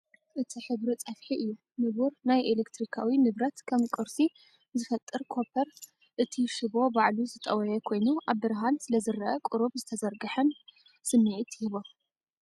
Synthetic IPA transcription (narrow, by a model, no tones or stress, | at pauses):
ʔɨt̪ʰiħɨβɾit͡sʼɐfħiʔɨjːu | nɨβuɾnajʔelekt̪ɾikʰawinɨβɾɐt̪kʰɐmkʼɨɾsi | zɨfɐt̪ʼːɨɾkʰo̞pʰɐɾ | ʔɨt̪ʰiʃɨβo̞baʕluzɨt̪ʼɐwɐjɐkʰo̞jnuʔaβːɨɾɦansɨlɐzɨɾɐʔɐkʼʊɾubzɨt̪ʰɐzɐɾɡɐħɨn | sɨmːiʕit̪jɪhβo